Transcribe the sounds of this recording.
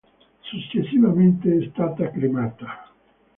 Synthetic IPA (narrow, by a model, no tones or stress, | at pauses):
sut͡ʃːesːivament̪eɛst̪aːt̪akɾimaːt̪ḁ